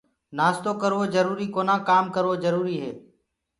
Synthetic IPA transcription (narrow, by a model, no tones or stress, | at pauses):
naːst̪oːkəɾoːzəɾuːɾiːkoːnãːkaːmkəɾʋoːzəɾuːɾiːɦeː